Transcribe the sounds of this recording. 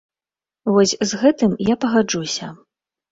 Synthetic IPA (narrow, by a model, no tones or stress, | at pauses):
vɔsʲzɣɛt̪ɨmjapɐɣad͡ʐusʲɐ